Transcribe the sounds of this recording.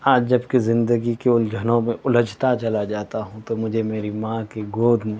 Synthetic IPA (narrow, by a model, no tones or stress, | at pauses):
aːd͡ʒd͡ʒɐbkizɪ̃nd̪əɡikeʊld͡ʒʱɐnõmẽʔʊləd͡ʒt̪at͡ʃɐlad͡ʒaːt̪aɦũt̪omʊd͡ʒʱemeːɾimãːkeɡoːd̪ʱmẽ